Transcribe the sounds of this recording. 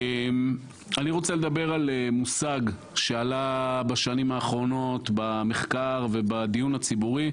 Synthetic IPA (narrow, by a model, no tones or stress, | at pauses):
em | aniʁo̞t͡seled̪abe̞ʁalemusaɡ | ʃe̞alabaʃanimaːχʁo̞no̞t̪bameχkaʁve̞bad̪ijunat͡sibuʁi